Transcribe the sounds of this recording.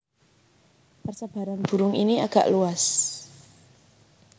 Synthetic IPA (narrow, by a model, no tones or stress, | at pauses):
pərsəb̥a̤ɾanb̥ṳɾʊŋḭnia̰ɡ̥a̰ʔluas